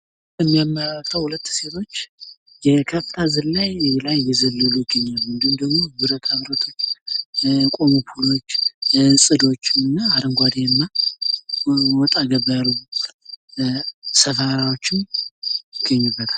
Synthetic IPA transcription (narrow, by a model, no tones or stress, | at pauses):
əmːijamːəɾalt̪ʰəwhulət̪ːse̞t̪ʰo̞t͡ʃː | jɛkʰəfɨ̥t̪ʰazɨnlajlajːɛzəlːəlujɪɡːəɲːalmɨnd̪ɨhumd̪əɡmo̞bɨɾət̪ʰaβɾət̪ʰo̞t͡ʃː | kʼo̞mopʰulo̞t͡ʃːsʼɨd̪o̞t͡ʃːɨnːaːɾəŋɡʷad̪eɨnːa | wɔt̪ʼaɡəbajalɡu | səfaɾwot͡ʃːɪmjɪɡːəɲːɪbːət̪ʰal